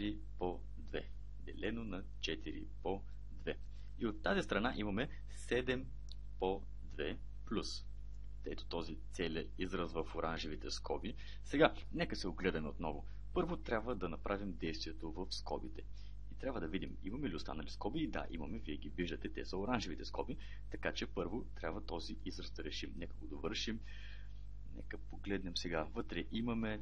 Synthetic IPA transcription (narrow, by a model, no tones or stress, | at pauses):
ɾi | po | d̪vɛ̰ | d̪ɛlɛnonɐ | t͡ʃɛt̪iɾḭpo | d̪vɛ | iot̪ːazist̪ɾɐnaʔimɐmɛ | sɛd̪ɛm | po | d̪vɛ | plʲus | t̪ɛt̪o̥t̪ɔzit̪sɛlʲɛ | izɾəzvɐfoɾʔanʒivit̪ɛskɔbi | sɛɡa | nɛkəsɛoɡlɛd̪ɐmɛot̪nɔvo | pɤɾvot̪ɾʲabvəd̪ɐnɐpɾʔavimd̪ɛjst̪vʲiɛt̪ovɐfskɔbit̪ɛ | it̪ɾʲabvəd̪ɐvid̪imḭmɐmɛliʊst̪a̰nɐliskɔbiːd̪a̰ʔḭmɐmɛviɛɡʲiviʒd̪ət̪ɛt̪ɛsəoɾanʒivit̪ɛskɔbi | t̪ɐkat͡ʃɛpɤɾvot̪ɾʲabvət̪ɔziʔizɾɐsd̪ɐɾɛʃimnɛkəɡod̪ovɤɾʃim | nɛ̰kəpoɡlɛd̪nɛmsɛɡavɤt̪ɾɛʔimɐmɛ